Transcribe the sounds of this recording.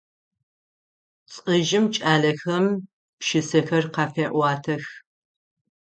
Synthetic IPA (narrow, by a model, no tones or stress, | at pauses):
t͡sʼəʒɪmt͡ʃʼaːɮɐxɐm | pʃɪsɐxɐrqɑːfeːʔʷɑːtʰɐx